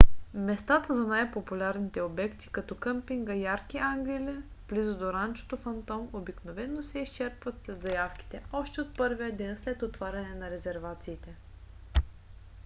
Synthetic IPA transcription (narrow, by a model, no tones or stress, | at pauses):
mɛst̪at̪əzɐnajpopulʲaɾnit̪ɛobɛkt̪i̥kɐt̪ɔkɤmpiŋɡɐjaɾkiʔaŋɡlilʲɛ | b̥lizod̪oɾant͡ʃo̥t̪ofɐnt̪ɔmobiknovɛnːosɛist͡ʃɛɾpvɐt̪slɛd̪zɐjafki̥t̪ɛɔʃt̪ɛot̪̚pɤɾvijəd̪ɛnslɛt̪ot̪vaɾʲɐnɛnɐɾɛzɛɾvat̪siːt̪ɛ